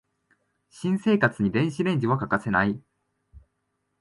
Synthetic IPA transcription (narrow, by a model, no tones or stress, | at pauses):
ɕĩɰ̃se̞ːkat͡sɨɲ̟id̪ẽ̞ɰ̃ɕiɾẽ̞ɲ̟d͡ʑiβakakase̞nai